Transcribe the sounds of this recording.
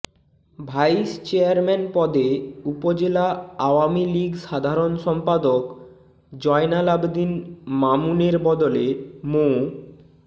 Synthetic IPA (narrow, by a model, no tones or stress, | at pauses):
bʱajst͡ɕeaɾmɛnpɔd̪eupod͡ʑelaaoamiliɡʃad̪ʱaɾonʃɔmpad̪ok | d͡ʑɔenalabd̪inmamuneɾbɔd̪olemo